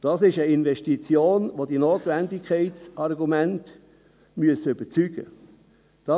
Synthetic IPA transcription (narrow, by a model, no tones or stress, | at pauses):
d̥ɑːsɪʃəɪnʋɛʃtit͡sjoːnʋodinoːtʋændɪkʰχɛɪtsɑrɡumænt | myəsʏb̥ət͡syɡ̥ə̰ | d̥ɑ